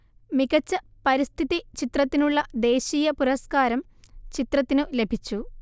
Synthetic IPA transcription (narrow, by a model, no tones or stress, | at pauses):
miɣɐt͡ɕːɐ | pɐɾist̪ʰiðit͡ɕit̪rɐt̪ːinuɭːɐd̪e̞ːɕiːjɐpuɾɐskaːɾɐm | t͡ɕit̪rɐt̪ːinɨle̞bʱit͡ɕːu